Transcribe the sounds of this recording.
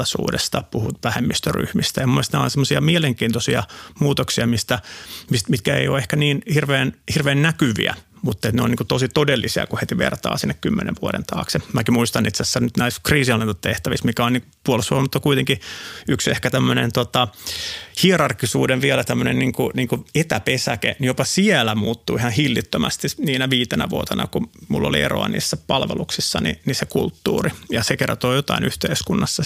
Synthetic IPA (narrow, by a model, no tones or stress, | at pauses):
ɑsṵːdḛst̪ɑpuhṵt̪ʋæhemːist̪øry̰hmist̪æjɑmumːoest̪næo̰nsemːosiɑmieleŋkiːnt̪osiɑ̰muːt̪oksiɑmist̪æmismit̪̚kæḛjo̰ehkæniːnhirʋeːnhirʋeːnnækyʋḭæ̰ | mut̪ːet̪neo̰niːŋkut̪osit̪odelːisiɑ̰kuhet̪iʋḛrt̪ɑ̰ːsinːekkymːenʔḛʋʋuoɾḛnt̪ʰɑ̰ːksɑmækimuist̪ɑnʔit̪seæsːænnyt̪næiskriːsiɑlːent̪ɑt̪t̪eht̪æʋismikæoniːŋkupuolsʋuʋmut̪ːɑkuit̪eŋkiyksehkæt̪æmːønent̪ot̪ɑ | hierɑrkːisuːdeʋʋiælæt̪æmːønenniːŋkuniːŋkuet̪æpesækḛnijopɑsielæmuːt̪ːuihɑnhilːit̪ːømæst̪iniːnæʋiːt̪enæ̰ʋuot̪enʔɑ̰kumulːo̰liḛro̰ɑ̰nḭːsːæpɑlʋḛluksisːɑnḭnisekult̪ːuːrijɑsekert̪oːjot̪ɑ̰inʔyht̪eiskunːɑsːɑ